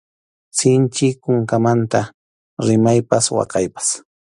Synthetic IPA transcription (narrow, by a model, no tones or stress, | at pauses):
sɪnt͡ʃɪkʊŋkamant̪a | ɾɪmajpaswɑ̰qɑjpḁs